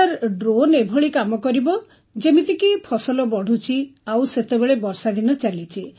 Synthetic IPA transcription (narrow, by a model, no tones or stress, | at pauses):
aɾɖɾonebʱɔɭikamɔkɔɾibɔ | d͡ʒemit̪ikipʰɔsɔlɔbɔɽ̤ut͡ʃʰiawset̪ebeɭebɔɾsad̪inɔt͡ʃalit͡ʃʰi